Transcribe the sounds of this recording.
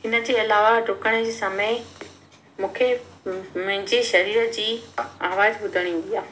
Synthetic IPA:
ɦɪnə̆d͡ʑeːɐlaːʋaɖʱʊkəɽ̃ə̆d͡ʑiːsamə | mũːkʰe | mɐ̃ɦɪ̃ɲd͡ʑeʃɐɾiːɾəd͡ʑiːaːʋaːzbʊd̪ʱəɽ̃ĩːn̆d̪ijaː

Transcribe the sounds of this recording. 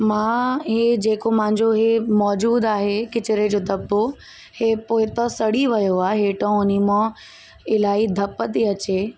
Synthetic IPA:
mãːɦed͡ʑeːkomãɦɪ̃ɲd͡ʑoɦemɔːd͡ʑuːd̪aːɦekɪt͡ɕɪɾed͡ʑoːd̪ʱɐbːo | heːpoːɪt̪ɐsɐɽiʋɐjoaːɦeːʈɐ̃ʊnimõ | ɪlaːid̪ʱɐpət̪iɐt͡ɕeː

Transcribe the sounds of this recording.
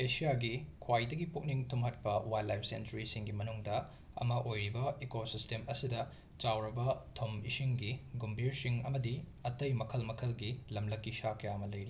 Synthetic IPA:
esijaɡikʰwajdɐɡipuk̚niŋtʰumɦɐt̚pɐwajlajp̚ʰsḛntɾisiŋɡimɐnuŋdɐ | ɐ̰mɐʔojɾibɐekosistemɐsidɐ | t͡ʃawɾɐbɐtʰomḭsiŋɡiɡumbʱiɾsiŋɐ̰mɐdi | ɐtɐjmɐkʰɐlmɐkʰɐlɡilɐmlɐkːisakɐjamɐlɐjɾi

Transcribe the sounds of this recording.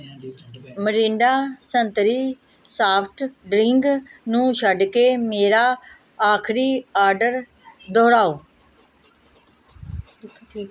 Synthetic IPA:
məɾɪ̃ːɳɖaːsənt̪ɾiː | saːpʰʈɖɾɪŋɡnũːʃəɖkeːmeːɾaː | aːkʰɾiːaːɾɖəɾ | d̪ɔːɽaːoː

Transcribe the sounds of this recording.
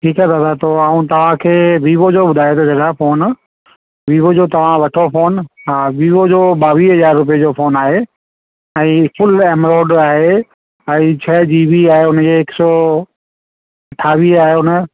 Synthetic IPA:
ʈʰiːkaːt̪ʰaːt̪ʰat̪ʰoaːũt̪ɐʋ̤ãkʰeːʋiːʋod͡ʑoɓʊd̪ʱaːjet̪ʰod͡ʑɐɽafoːn | ʋiːʋod͡ʑot̪ɐʋ̤ãʋɐʈʰofoːnɦaːʋiːʋod͡ʑoɓaːʋiːɦɐzaːɾːʊp̬ijed͡ʑofʰoːnaːɦe | ɛ̃ːfʊlɛːmɾoːɖaːɦe | ɛ̃ːt͡ɕʰɐd͡ʑiːʋiaːɦeʊnd͡ʑeːksɔ | ɐʈʰaːʋiaːɦeʊnə

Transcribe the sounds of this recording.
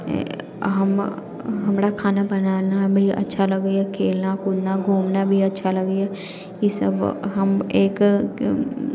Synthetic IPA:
ɦɐm | ɦɐmɾakʰaːnabɐnaːnabʱiɐ̰tːʃʰalɐɡakʰeːlnakʊd̪naɡʱuːmnabʱiɐtːʃʰalɐɡa | jisɐ̰bɦɐmeːk

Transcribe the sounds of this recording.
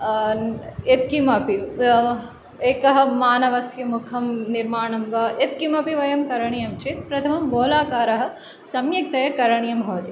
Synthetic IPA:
et̪̚kimɐpi | eːkɐɦɐ̆maːnɐʋɐsjɐmukʰɐmniɾmaːɳɐmʋɐʔet̪kimɐpiʋɐjɐmkɐɾɐɳijɐmt͡ʃit̪̚pɾɐt̪ʰɐmɐmɡoːlaːkaːɾɐɦɐ̆ | sɐmjɐk̚t̪ɐjɐkɐɾɐɳijɐmbʱɐʋɐt̪i

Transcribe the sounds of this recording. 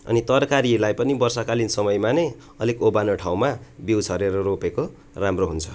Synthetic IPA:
ʌ̰nit̪ʌrkaɾilajpʌnibʌrsakalinsʌmʌjmanʌj | ʌlikobanoʈʰaw̃mabiwt͡sʰʌɾeɾʌɾopeko | ramroɦunt͡sʰʌ̥

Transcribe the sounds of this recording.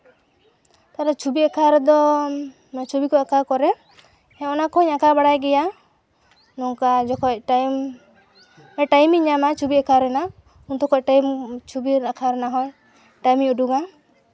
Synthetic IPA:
t̪aɾat͡ʃʰubiakʰaɾd̪ɔ | t͡ʃubikɔakakɔɾɛ | hɛ̃ɔnakɔɔɲakabaɽajɡɛja | nɔŋkad͡ʒɔkʰɔc̚ʈajm | ɛʈajmiɲamat͡ʃubiɛkʰaɾɛna | unt̪ɔkɔʈajmt͡ʃʰubiɾakʰaɾɛnaɦɔj | ʈajmiuɖuɡa

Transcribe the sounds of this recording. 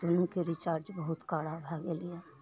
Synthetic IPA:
d̪onõkeɾɪt͡ʃaːɾd͡ʒbəɦʊt̪kaːɽabʱɛɡeliaː

